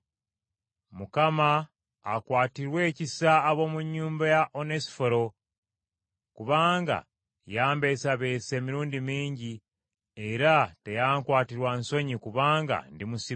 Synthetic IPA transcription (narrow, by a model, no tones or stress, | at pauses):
mukamaː | kwaːtiɾwe̞ːcisaːβo̞ːmuɲːuːmbajaʔo̞nesi̥fo̞ɾo̞ | kuβaːŋɡa̰ | jaːmbe̞saβe̞ːse̞ːmiɾuːndimiːɲɟi | e̞ɾate̞jaːŋkwaːtiɾwanso̞ɲikuβaːŋɡa̰ndimusi